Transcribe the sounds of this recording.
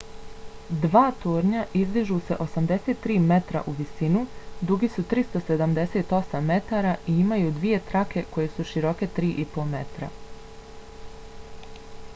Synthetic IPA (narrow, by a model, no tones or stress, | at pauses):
d̪ʋaːt̪oːɾɲaʔizd̪iʒuːse̞ʔo̞samd̪e̞set̪ːɾiːme̞t̪ɾa̰ʔuʋisinud̪uɡisut̪ɾist̪o̞se̞d̪amd̪e̞set̪o̞samːe̞t̪aɾaiimajuːd̪ʋije̞t̪ɾake̞ko̞je̞suʃiɾo̞ke̞t̪ɾiːʔipo̞me̞t̪ɾa̰